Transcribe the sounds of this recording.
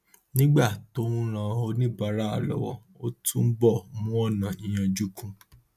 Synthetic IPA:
nĩ˦ɡ͡ba˦˨to˨˦ũ˦ɾ̃ã˧˦o˧nĩ˦ba˨˦ɾa˦a˨lɔ̰˨˦wɔ̰˧ | o˦tũ˦m̩˦bɔ˦˨mũ˦ɔ˦˨nã˨ĩ˨j̃ã˧d͡ʒu˦kʰũ˧

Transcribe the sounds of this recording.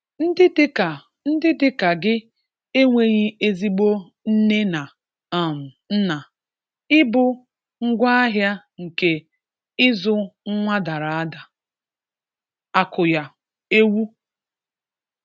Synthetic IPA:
n̩˦dɪ˦dɪ˦ka˨ | n̩˦dɪ˦dɪ˦ka˨ɡɪ˦ | e˦ŋʷe˦ɲɪ˦e˦zi˦ɡ͡bo˦ | n̩˦ne˦na˨ | a˨m̩˨n̩˦na˨ | ɪ˦bʊ˦ | ŋ̩˦ɡʷa˦a˦ɦja˦ | ŋ̩˨ke˦ | ɪ˦zʊ˦ŋ̩˦ŋʷa˦da˨ɾa˨a˦da˨ | a˨kʊ˨ja˨ | e˦wu˦

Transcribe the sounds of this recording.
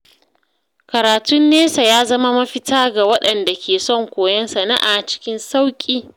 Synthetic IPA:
kɐ˨ɾaː˨tʊ˦nːeː˦sa˨jaː˦zɐ˦ma˦mɐ˦ɸɪ˦taː˦ɡa˨wɐ˦ɗɐ˨nda˨kʲʰeː˨sɔ˦˨ŋkʷoː˨jɐ˦nsɐ˨na˦ʔa˨t͡ʃɪ̥˦kʲɪ˦nsa˦wkʲʼiː˦

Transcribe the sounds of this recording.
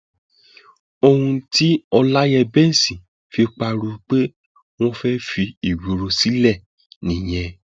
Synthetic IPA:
o˧hũ˧ti˦ɔ˧la˦jɛ˧bɛ˦n̩˨sĩ˨ | fi˧k͡pa˧ɾu˧k͡pe˦ | w̃ɔ̃˦fɛ˦fi˧i˨wi˨ɾo˧si˨˦lɛ˦˨ | nĩ˨j̃ɛ̃˧

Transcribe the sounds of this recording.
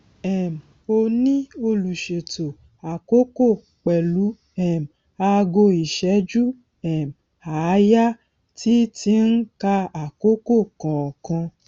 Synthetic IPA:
ɛ˨m̩˨ | o˧nĩ˦o˧lu˨ʃe˨to˨ | a˨ko˦ko˦˨ | k͡pɛ˨lu˨˦ | ɛ˦˨m̩˨ | a˧ɡo˧i˨ʃɛ˨˦d͡ʒu˦ | ɛ˨m˨ | a˨˦ja˦ | ti˦ti˧˦n̩˦ka˧a˨ko˦ko˦˨kã˨ɔ˨kã˧

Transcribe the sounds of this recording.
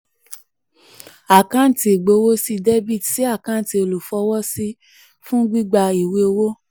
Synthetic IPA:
a˨kã˦n̩˨ti˧˦˨ɡ͡bo˧˦wo˦si˧de˦bi˦˨dsi˨˦a˦˨kã˦˨ti˧o˧lu˨fɔ˧˦wɔ˦si˦ | fũ˦ɡ͡bi˦ɡ͡ba˧i˨we˧o˧wo˦

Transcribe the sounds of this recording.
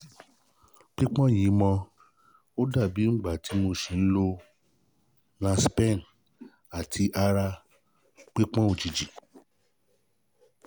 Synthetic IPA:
k͡pi˦k͡pɔ̃˦˨jĩ˨˦mɔ̃˧ | o˦da˦˨bi˨˦ŋ͡m̩˦ɡ͡ba˨ti˨˦mo˧ʃĩ˨n̩˦lo˧ | nã˧spɛ̃˦˨n̩˨ | a˨tʰi˧ʔa˧ɾa˧ | k͡pi˦k͡pɔ̃˦o˨d͡ʒi˨d͡ʒi˨

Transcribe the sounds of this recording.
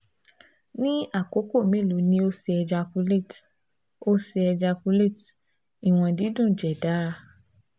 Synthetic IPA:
nĩ˦a˦˨ko˨˦ko˦˨me˦˨lo˨˦nĩ˦o˧se˧ɛ˧d͡ʒa˧ku˧˦le˦˨t | o˦se˧ɛ˧d͡ʒa˧ku˧le˦˨t | i˨w̃ɔ̃˧di˨˦dũ˦˨d͡ʒɛ˨da˨˦ɾa˧

